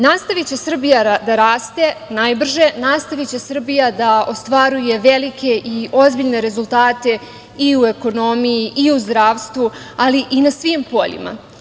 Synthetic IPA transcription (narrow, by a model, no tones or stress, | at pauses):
nast̪aʋit͡ɕe̞sr̩bijad̪aɾaːst̪e̞najbr̩ʒe̞naːst̪aʋit͡ɕe̞sr̩bijad̪ao̞st̪ʋaɾuje̞ʋe̞like̞ʔio̞zbiʎne̞ɾe̞zulˠt̪aːt̪e̞ | iue̞ko̞no̞mijiʔiuzd̪ɾaːʋst̪ʋualiʔinasʋimpo̞̰ʎḭma̰